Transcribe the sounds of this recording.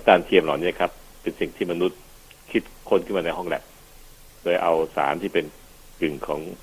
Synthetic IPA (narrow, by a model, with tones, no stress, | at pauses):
a˦˥kaː˧nt̪ʰi˧əmlaː˨˩wniː˦˥˩ɐ˨kʰa˦˥pːe˧nsi˨˩ŋt̪ʰiː˥˩ma˧nu˦˥t̪̚ | kʰi˦˥t̪̚kʰo˧nkʰɯ˥˩maː˧na˧jɦɔ˥˩ŋlɛ̰˨˩p̚ | loː˧jʔa˧wsa̰ː˩˦nt̪ʰiː˥˩pe˧n | kɯ˨˩ŋkʰɔː˩˦ŋ